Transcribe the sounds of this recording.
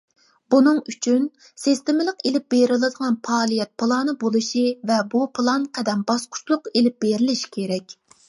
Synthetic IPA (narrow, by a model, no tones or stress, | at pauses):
b̥unɨŋyt͡ʃʰyn | sɪst̪emɪlˠəqelɪp̚beɾɪlˠɨd̪əʁɑnpʰɑːlˠijɛt̪̚pʰɨlˠɑːnɨbolˠɨʃivɛbupʰlˠɑnqʰɛd̪ɛmbɑsqʰʊ̥t͡ʃlˠʊqelɪp̚b̥eɾɪlɪʃi̥kʲʰeɾɛkʲ